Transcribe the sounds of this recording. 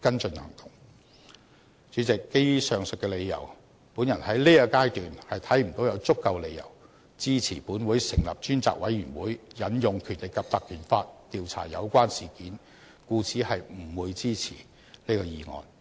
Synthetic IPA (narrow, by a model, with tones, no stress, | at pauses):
kɐ˥nt͡sɵ˧nhɐ̰˨˩ŋt̪ʊ˨˩ŋ | t͡ʃyː˨˥t͡sɪ˨kːe˥jɥyː˥sœː˨ŋsɵ˨t̚kːɛ˧le˨˧jːɐ̰˨˩w | puː˨˥njɐ˨˩nhɐ˨˥jliː˥aː˧kaː˥jt̪yː˨nhɐ˨jt̪ʰɐ˨˥jm̩˨˩t̪o˨˥wjɐ˨˧wt͡sʊ˥kːɐ˧wle˨˧jjɐ̰˨˩w | t͡siː˥t͡sʰiː˨˩puː˨˥nwuː˨˥jsɪ˨˩ŋlɐ̰˨p̚t͡ʃyː˥nt͡sa̰ː˨˩k̚wɐ˨˥jyː˨˩nwuː˨˥jjɐ˨˥njʊ˨ŋkʰyː˨˩nlɪ˨kːɐ˨p̚t̪ɐ˨k̚ːʰyː˨˩nfaː˧t̚t̪iː˨˧wt͡sʰa̰ː˨˩jɐ̰˨˧wkʷwaː˥nsiː˨˩kiː˨˥n | kuː˧t͡sʰiː˨˥hɐ˨jm̩˨˩wuː˨˧jt͡siː˥t͡sʰḭː˨˩ | liː˥kɔː˧jiː˨˧ŋɔ̰ː˨n